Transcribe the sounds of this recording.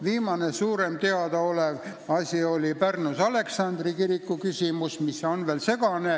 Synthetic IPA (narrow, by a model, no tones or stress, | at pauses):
viːmɑnesuːɾe̞mt̪e̞ɑd̪̥ɑo̞lev | ɑsʲio̞lʲipærnusɑle̞ksɑnd̪rikiɾikːukysʲimusmisːo̞nve̞ːlse̞ɡ̥ɑne